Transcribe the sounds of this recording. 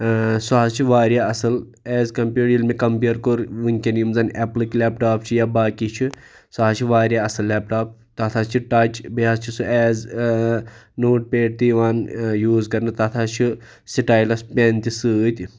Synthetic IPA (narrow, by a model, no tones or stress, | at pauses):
suazt͡ʃʰiʋaːɾjaːɐsɐlɛːzkɐmpʲjuːɖjilmekɐmpiːɾkoɾunʲkenimzɐneːpliklɛːpʈaːpt͡ʃʰijaːbaːkit͡ʃʰi | saːt͡ʃʰiʋaːɾjaːɐsɐlːɛːpʈaːp̚ | t̪at̪ʰaːt͡ʃʰiʈat͡ʃbiaːst͡ʃʰisɨɛːz | noːʈ̚peːʈ̚t̪iːʋaːnjuːzkɐɾnɨt̪aːt̪ʰaːt͡ʃʰi | siʈaːjlɐspʲent̪isɨt̪ʲ